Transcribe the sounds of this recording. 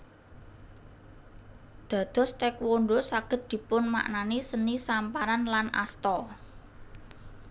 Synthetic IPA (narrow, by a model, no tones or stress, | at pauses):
d̪̥ä̤d̪̥ɔ̤st̪ɛkwonɖosaɡ̥ə̤t̪̚d̪̥i̤pʊnma̰ʔnanisənisampaɾanlana̰st̪ɔ